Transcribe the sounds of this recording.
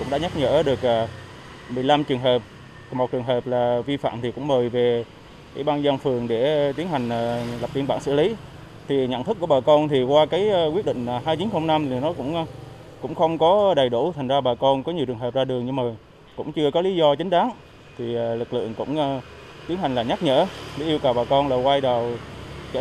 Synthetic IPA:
kʊ̰˧˥ŋ͡mɗa̰ː˧˥˦ɲa˦˥ɲə̰ː˧˥ɗɨ˨˩ək̚ʔəː˨˩ | mɨ˨˩əjla˧mt͡ɕɨ˨˩əŋɦəː˨˩p̚ | mo˨˩t̚t͡ɕɨ˨˩əŋɦəː˨˩p̚laː˨˩vi˧fa̰ː˧˨mt̪ʰi˨˩kʊ̰˧˥ŋ͡mməː˨˩jve˨˩ | ʔḭ˧˩ɓaː˧nza˧nfɨ˨˩əŋɗe˧˩t̪i˨˦ənha˨˩jŋ̟ʔːlə˨˩p̚vi˧nɓa̰ː˧˩nsɨ̰˧˩li˨˦ | t̪ʰi˨˩ɲə̰˧˨nt̪ɨ˦˥kːu˧˩əɓaː˨˩kɔ˧nt̪ʰi˨˩kwaː˧kaː˨˦jkwi˦˥əɗḭ˧˨ŋ̟ː˨˩ɦaː˧jt͡ɕi˨˦nxə˧wŋ͡mna˧mi˨˩nɔ˨˦kʊ̰˧˥ŋ͡mʔ | kʊ̰˧˥ŋ͡mxə˧wŋ͡mkɔ˨˦ɗə˨˩jɗu˧˩t̪ʰa˨˩jŋ̟zaː˧ɓaː˨˩kɔ˧nkɔ˨˦ɲi˨˩əwt͡ɕɨ˨˩əŋɦəː˨˩p̚zaː˧ɗɨ˨˩əŋɲɨ˧ŋmaː˨˩ | kʊ̰˧˥ŋ͡mt͡ɕɨ˧əkɔ˨˦li˨˦zɔ˧t͡ɕï˨˦ŋ̟ɗaː˨˦n | t̪ʰi˨˩˨lɨ˨˩k̚lɨ̰˧˨əŋkʊ̰˧˥ŋ͡m | t̪i˨˦ənha˨˩ŋ̟laː˨˩ɲa˦˥k̚ɲə̰ː˧˥li˨˦ʔi˧əwkə˨˩wɓaː˨˩kɔ˧nlaː˨˩kwa˧jɗə˨˩wt͡ɕə˧˨

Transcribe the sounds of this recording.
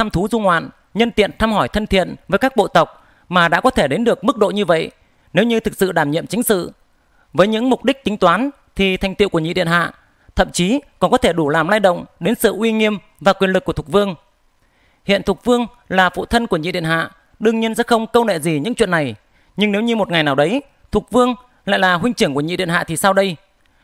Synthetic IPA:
t̪ʰa˧mt̪ʰu˨˦zu˧ŋwa̰ː˧˨n | ɲə˧nt̪ḭ˧˨ənt̪ʰaː˧mɦɔ˧˩jt̪ʰə˧nt̪ʰḭ˧˨ənvəː˨˦jkaː˦˥k̚ɓo̰˧˨t̪ə˨˩wk͡p̚ | maː˨˩ɗa̰ː˧˥kɔ˨˦t̪ʰe˧˩ɗe˨˦nɗɨ˨˩ək̚mɨ˦˥k̚ɗo̰˧˨ɲɨ˧və̰˧˨j | ne˨˦wɲɨ˧t̪ʰɨ˨˩k̚sɨ̰˧˨ɗaː˧˩mɲḭ˧˨əmt͡ɕï˨˦ŋ̟sɨ̰˧˨ | vəː˨˦jɲɨ̰˧˥ŋmʊ˨˩k͡p̚ɗï˦˥k̟̚t̪ï˨˦ŋ̟t̪waː˨˦n | t̪ʰi˨˩t̪ʰjŋ̟t̪i˧˨wku˧˩ɲḭ˧˨ɗḭ˧˨ənha̰ː˧˨ | t̪ʰə̰˧˨mt͡ɕi˨˦kɔ˨˩nkɔ˨˦t̪ʰe˧˩ɗu˧˩laː˨˩mlaː˧jɗə̰˧˨wŋ͡mɗe˨˦nsɨ̰˧˨ʔwi˧ŋi˧əm | vaː˨˩kwi˨˩ənlɨ˨˩kːət̪̚ʰvɨ˧əŋ | hḭ˧˨ənt̪ʰu˨˩t̚vɨ˧əŋ | laː˨˩fṵ˧˨t̪ʰə˧nku˧˩əɲḭ˧˨ɗḭ˧˨ənha̰ː˧˨ | ɗɨ˧əŋɲi˧ənsɛ̰˧˥xə˧wŋ͡mkə˧wnḛ˧˨zi˨˩ɲɨ̰˧˥ŋt͡ɕwḭ˧˨ənːa˨˩j | ɲɨ˧ŋne˨˦wɲɨ˧mo˨˩t̚ŋa˨˩jnaː˨˩wɗə˨˦j | t̪ʰu˨˩t̚vɨ˧əŋ | la̰ː˧˨jlaː˨˩ɦwï˧ŋ̟t͡ɕɨ˧˩əŋku˧˩əɲḭ˧˨ɗḭ˧˨ənha̰ː˧˨t̪ʰi˨˩saː˧wɗə˧j

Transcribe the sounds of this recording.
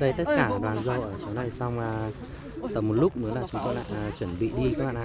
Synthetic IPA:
ɗə˧jt̪ə˦˥t̚kaː˧˩˨ɗwaː˨˩nzə˧˩wʔəː˧˩t͡ɕa˨˦wna˨˩jsa˧wŋ͡maː˨˩ | t̪ə˨˩mo˨˩t̚lʊ˦˥k͡p̚mɨ˨˦nlaː˨˩t͡ɕʊ˨˦ŋ͡mt̪o˧jɗa̰ː˧˥t͡ɕwə˧˩nɓḭ˧˨ɗi˧kaː˧˦˥k̚ɓa̰˧˨ʔ

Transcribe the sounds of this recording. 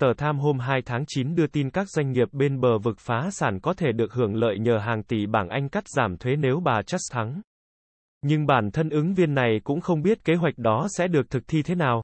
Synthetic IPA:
t̪əː˨˩t̪ʰaː˧mɦo˧mɦaː˧jt̪ʰaː˨˦ŋt͡ɕi˨˦nɗɨ˧ət̪i˧nkaː˦˥k̚zwa˧jŋ̟ŋi˨˩əp̚ɓe˧nɓəː˨˩vɨ˨˩k̚faː˨˦saː˧˩nkɔ˨˦t̪ʰe˧˩ɗɨ˨˩ək̚hɨ˧˩əŋlə̰ː˧˨jɲəː˨˩ɦaː˨˩ŋt̪i˨˩ɓaː˧˩nʔa˧jŋ̟ka˦˥jk̟̚zaː˧˩mt̪ʰwe˨˦ne˨˦wɓaː˨˩t͡ɕa˦˥k̚t̪ʰa˨˦ŋ | ɲɨ˧ŋɓaː˧˩nt̪ʰə˧nʔɨ˨˦ŋvi˧ənːa˨˩jkʊ̰˧˥ŋ͡mxə˧wŋ͡mɓi˦˥ət̚ke˨˦ɦwa˨˩jk̟̚ɗɔ˨˦sɛ̰˧˥ɗɨ˨˩ək̚t̪ʰɨ˨˩k̚t̪ʰi˧t̪ʰe˨˦naː˨˩w

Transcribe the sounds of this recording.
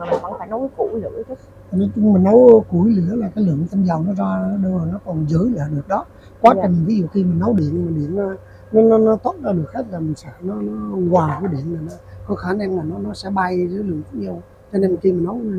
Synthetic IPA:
laː˨˩kɔ˧˦ŋ͡mfaː˧˩jnɔ˧˦˨kṵ˧˨˦zə̰˧˨˦t̪ʰə˦˥˨ | ne˧nt͡ɕʊ˧ŋ͡mmï˨˩ŋ̟nɔ˨˦wku˨˧˩jli˧˩˦laː˨˩kaː˨˦jlɨ˧˩əŋt̪ʰa˧mzaː˨˩wnɔ˨˦zaː˧ɗə˧˨˩nɔ˨˦kɔ˨˩nzəː˨˦jɗi˧˨ɗɨ˨˩ək̚ɗɔ˨˦ | kwaː˨˦t͡ɕï˨˩ŋvəː˨˦jzi˨˩əwxi˧mi˨˩ŋ̟nɔ˨˦wɗi˧˩˨ənmaː˨˩ɗi˧˩ənːa˨˦ | nɔ˨˦nɔ˨˦nɔ˨˦t̪o˦˥n̚zaː˧ɗɨ˨˩ək̚zə˦˥t̚laː˨˩mï˨˩ŋ̟sɛ̰˧˥nɔ˨˦nɔ˨˦ɣwaː˨˩vəː˨˦ɗi˧˩˨ənlaː˨˩nɔ˨˦kɔ˨˦xaː˨˦na˧mlaː˨˩nɔ˨˦nɔ˨˦sɛ̰˧˥ɓa˧jzəː˨˦lɨ̰˨˧˩əŋt̪ə˨˦˥ɲi˧əw | t͡ɕɔ˧ne˧n˩xi˧mi˨˩nnɔ˨˦w

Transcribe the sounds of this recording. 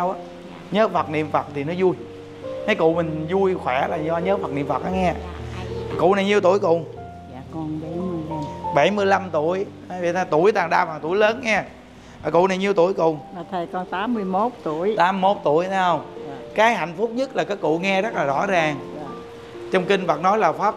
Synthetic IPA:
wʔa˦ | ɲəː˨˦fə˨˩t̚nḭ˧˨əmfə˨˩t̚t̪ʰi˨˩nɔ˨˦zu˧j | t̪ʰa˨˦jkʊ̰˧˨mï˨˩ŋ̟zu˧jxwɛ˧˩laː˨˩zɔ˧ɲəː˨˦fa˨˩t̚ni˧˨əmfə˨˩t̚ʔaː˨˦ŋɛ˧˨˩ | kʊ̰˧˨na˨˩jɲi˨˧əwt̪u˧˩jkʊ̰˧˨ | a˧˨kɔ˧nɓa˧˩˦mɨ˧jla˧mɓa˧˩jmɨ˧əjla˧mt̪u˧˩əj | vḭ˨˧˨t̪ʰaː˧˩t̪u˧˩əjt̪aː˨˩ŋɗaː˧vaː˨˩ŋt̪u˧˩˦jləː˨˦nŋɛ˧ | aː˨˩kʊ̰˧˨na˨˩jɲi˨əwt̪u˧˩əjkʊ̰˧˨˩t̪ʰə˨˩kɔ˧nt̪aː˨˦mːɨ˧əjmo˦˥t̚t̪u˧˩əjt̪aː˨˦m˨mo˦˥t̚t̪u˧˩əjt̪ʰɛ˨˦hə˧wŋ͡mkaː˨˦jha̰˧˨jŋ̟fʊ˦˥k͡p̚ɲɨ˦˥t̚laː˨˩kaː˨˦jkṵ˧˨ŋɛ˧zə˦˥t̚laː˨˩zɔ̰˧˥zaː˨˩ŋ˨ | t͡ɕɔ˧wŋ͡mkï˧ŋ̟və˨˩t̚nɔ˨˦jlaː˨˩faː˦˥p̚

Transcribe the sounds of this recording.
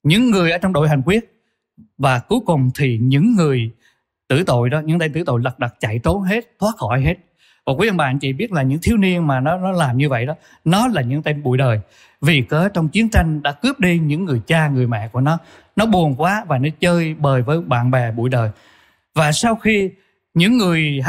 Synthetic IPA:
ɲɨ̰˧˥ŋːɨ˨˩əjʔəː˧˦t͡ɕɔ˧wŋ͡mɗo̰˧˨jɦa˨˩ŋ̟kwi˦˥ət̚ | vaː˨˩ku˨˦jkʊ˨˩ŋ͡mt̪ʰi˨˩ɲɨ̰˧˥ŋːɨ˨˩əj | t̪ɨ̰˧˩t̪o̰˧˨jɗɔ˨˦ɲɨ̰˧˥ŋt̪a˧t̪ɨ̰˧˥˩t̪o̰˧˨jlə˨˩k̚ɗə˨˩k̚t͡ɕa̰˧˨jt̪o˨˦nɦe˦˥t̚t̪ʰwaː˦˥t̚xɔ˧˩jɦe˦˥t̚ | vaː˨˩kwu˨˦və˧nɓa̰ː˧˨nt͡ɕḭ˧˨ɓi˦˥ət̚laː˨˩ɲɨ̰˧˥ŋt̪ʰi˨˦əwni˧ənmaː˨˩nɔ˨˦nɔ˨˦laː˨˩mɲɨ˧və̰˧˨jɗɔ˨˦ | nɔ˨˦laː˨˩ɲɨ̰˧˥ŋt̪e˧mɓṵ˧˨jɗəː˨˩j | vi˨˩kəː˨˦t͡ɕɔ˧wŋ͡mt͡ɕi˨˦ənt͡ɕa˧jŋ̟ɗa̰ː˧˥kɨ˦˥əp̚ɗi˧ɲɨ̰˧˥ŋːɨ˨˩əjt͡ɕaː˧ŋɨ˨˩əjmɛ̰˧˨ku˧˩ənɔ˨˦ | nɔ˨˦ɓu˨˩ənkwaː˨˦vaː˨˩nɔ˨˦t͡ɕəː˧jɓəː˨˩jvəː˨˦jɓa̰ː˧˨nɓɛ˨˩ɓṵ˧˨jɗəː˨˩j | vaː˨˩sa˧wxi˧ | ɲɨ̰˧˥ŋːɨ˨˩əj

